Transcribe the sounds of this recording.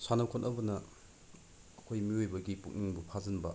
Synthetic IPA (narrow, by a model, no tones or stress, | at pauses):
sanɐwkʰonʔɐbɐnɐ | kʰojmiojbɐɡipuk̚niŋbupʰazɐnbɐ